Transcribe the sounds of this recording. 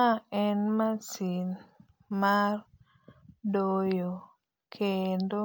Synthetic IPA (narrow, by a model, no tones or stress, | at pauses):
aɛnmasin | mar | dojo | kʰendo